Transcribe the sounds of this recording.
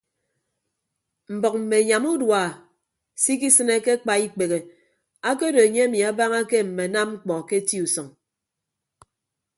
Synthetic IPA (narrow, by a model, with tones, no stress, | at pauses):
m̩˨bɔ˨k̚m̩˨me˨ɲa˨mu˦dwa˨ | si˦k̬i˦sɨ˦ne˦ke˦k͡pa˨i˦k͡pe˨ɣe˨ | a˦ko˦do˨e˨ɲe˦e˦mi˨a˨˦ba˦ŋa˦ke˦m̩˨me˨na˦mŋ͡m̩˦k͡pɔ˨ke˦ti˦u˨sɔ˨ŋ